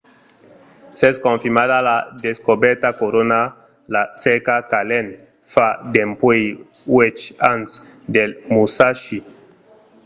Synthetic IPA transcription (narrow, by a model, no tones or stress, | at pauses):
sɛskõɱfimadalad̪eskobɛɾt̪akoɾona | lasɛkakalɛn | fad̪empwej | wet͡ʃãns | d̪elmusaʃi